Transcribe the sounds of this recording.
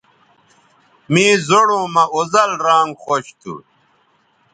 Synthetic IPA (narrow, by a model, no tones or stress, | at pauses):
mĩːzoɽõːmɐozɐlɾaːŋɡxoɕt̪ʰṵ